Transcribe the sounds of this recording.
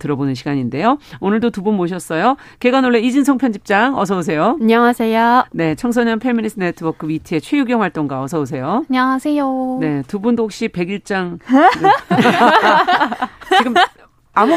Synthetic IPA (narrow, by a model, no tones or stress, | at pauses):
tɯɾʌbonɯnɕʰiɡaɲinde̞joonɯɭdotubunmoɕ̬ʰʌs͈ʌjo | ke̞ɡanoɭːeid͡ʑinsʰʌŋpʰjʌnd͡ʑip̚t͡ɕ͈aŋʌs̬ʰʌus̬ʰe̞joaɲʌŋasʰejone̞t͡ɕʰʌŋsʰʌɲʌnpʰe̞minis͈ʰɯnetʰɯbʌkʰɯwitʰɯe̞t͡ɕʰwe̞juɡjʌŋɦwaɭt͈oŋɡwaʌsʰʌus̬ʰe̞joɲaŋasʰejone̞tubundohok̚ɕ͈ipe̞ɡiɭt͡ɕ͈aŋ | t͡ɕiɡɯm | amu